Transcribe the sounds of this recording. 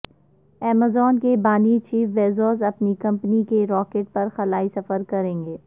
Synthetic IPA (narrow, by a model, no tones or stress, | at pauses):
ɛːmazɔːnkebaːnit͡ʃiːfʋeːzoːzɐpnikɐ̃mpnikeɾɔːkeːʈ̚pɐɾxɐlaːisɐfəɾkɐɾẽːŋɡeː